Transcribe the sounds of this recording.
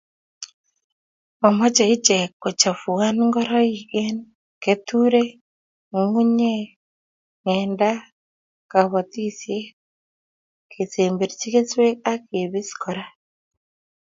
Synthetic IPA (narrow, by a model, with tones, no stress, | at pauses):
mɔ˨mɔ˦t͡ʃe˨i˦t͡ʃe˨ko˨t͡ʃa˨fu˨a˦nŋɡɔ˦ɾɔ˦i˨ɡe˦n | ke˨tu˦ɾe˦ | ŋu˦ɲe˦ | ŋɛ˨nda˦ | ka˨βɔ˨ti˦sje˦ | kʰe˨se˨mbe˨ɾt͡ʃi˦ke˦swe˦k̚a˦ke˨βi˦skʰɔ˨ɾa˦